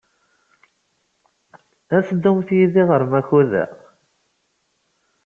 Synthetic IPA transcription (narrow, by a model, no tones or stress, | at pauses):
æsd̪ːumθjiðiʁəɾmæçuðæ̰